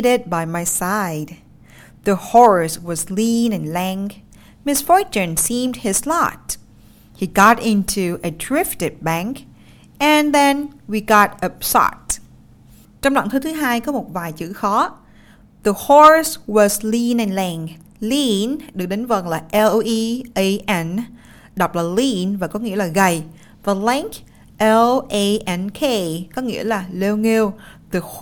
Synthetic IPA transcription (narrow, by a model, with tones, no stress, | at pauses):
ɾɪd̚ba˨jma˨jsajd̚ | ðəhɔɹswʌ˨zlĩnɨ̃˨nlɛŋ | mɪsfɔ˥ɹt͡ʃɨ̃˨nsimdhɪzlɔ̰t̚ | hi˨ɡɑ˦tɪ̃ntʰuʔə˨tʰɹɪftɨ˨t̚bɛ˧ŋk | ɛ̃nðɛ̃nwi˨ɡɑ˦t̚ə˨psɔ̰t̚ | t͡ɕɔ̃˧wŋ͡mla̰˧˨ŋt̪ʰɨ˨˦t̪ʰɨ˨˦ɦaː˧jkɔ˨˦mo˨˩t̚vaː˨˩jt͡ɕɨ̰˧˥xɔ˨˦ | ðə˨˩hɔ˧ɹswɔ˨zli˧nɛ˨˩nlɛː˨˩ŋ | li˧nɗɨ˨˩ək̚ɗe˨˦nvə˨˩nlaː˨˩ʔɛ˧lʔi˧ʔe˧ʔɛ˧n | ɗa˨˩wk͡p̚laː˨˩li˧nvaː˨˩kɔ˨˦ŋḭ˧˥əlaː˨˩ɣə˨˩j | və˨˩lɛ˧ŋk | ʔɛ˧lʔe˧ʔɛ˧nkʰe˧kɔ˨˦ŋḭ˧˥əlaː˨˩le˧wŋe˧wðə˨˩